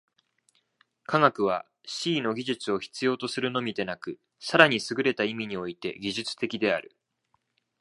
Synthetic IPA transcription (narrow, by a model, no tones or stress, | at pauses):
kʰaɡakɯ̟β̞a | ɕiːno̞ɡʲiʑɨt͡sɨo̞çi̥t͡sɨjo̞ːt̪o̞sɨɾɯ̟no̞mʲid̪e̞nakɯ̟ | saɾaɲ̟isɨɡɯ̟ɾe̞t̪aimʲiɲ̟io̞it̪e̞̰ɡʲiʑɨt͡sɨ̥t̪e̞kʲid̪e̞aɾɯ̟